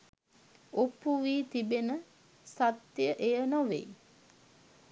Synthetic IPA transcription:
opuʋiːt̪ibenə | sat̪jəʔejənoʋḛj

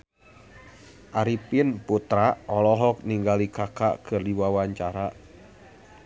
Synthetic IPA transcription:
ʔaɾipɪnput̪ɾaʔɔlɔɦɔk̚niŋɡalikaka̰ʔkɨrdiwawaɲt͡ʃaɾa

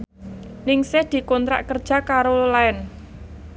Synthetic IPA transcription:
nɪŋsɪhd̪̥i̤kɔnt̪ɾa̰ʔkərd̥ʒ̥a̤kaɾolaɛn

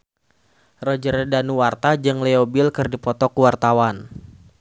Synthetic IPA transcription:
rɔd͡ʒəɾɛdanuwart̪ad͡ʒɨŋlɛobilkɨrdipɔt̪ɔkuwart̪awan

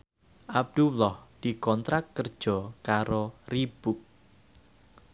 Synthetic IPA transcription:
ʔab̚d̪̥ulɔhd̪̥ikɔnt̪ɾak̚kərd̥ʒ̥ɔ̤kaɾorib̥uk̚

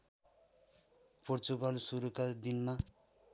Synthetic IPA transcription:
port͡suɡʌlsuɾukad̪inma

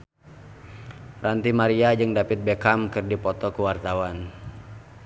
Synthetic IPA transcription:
rant̪imaɾiad͡ʒɨŋdapɪt̪̚bɛkamkɨrdipɔt̪ɔkuwart̪awan

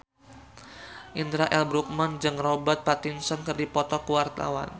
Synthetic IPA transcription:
ʔind̪ɾaʔɛlbɾuk̚mand͡ʒɨŋrɔbət̪̚pat̪insɔnkərdipɔt̪ɔkəwart̪a̰wa̰n

